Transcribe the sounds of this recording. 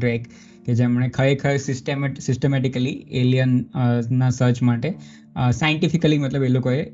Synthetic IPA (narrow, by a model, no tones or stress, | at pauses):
ɾek | ked͡ʒemɳ̃ẽkʰəekʰəesɪsʈemsɪsʈemɛʈikəlielijənːasəɾt͡ʃmaʈe | saiɳʈifikəlimət̪ləbelokoje